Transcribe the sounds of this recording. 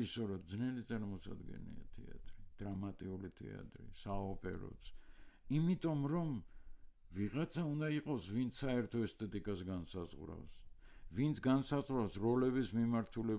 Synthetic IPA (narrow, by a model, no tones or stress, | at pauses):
isɔɾad̪znɛlit̪sʼaɾmɔsa̰d̪ɡɛ̰nḭa̰t̪ʰɛa̰t̪ʼɾid̪̥ɾamat̪ʼiulit̪ʰɛ̰a̰t̪ʼɾḭsaɔpʼɛ̰ɾɔ̰t̪sʰimit̪ʼɔmɾɔm | viʁat̪sʰaund̪aiqʼɔsvint̪sʰsaɛɾt̪ʰɔɛst̪ʰʼɛt̪ʼikʼasɡansazʁɾa̰fsvint̪sʰɡansazʁɾavsɾɔlɛbismimaɾt̪ʰulɛ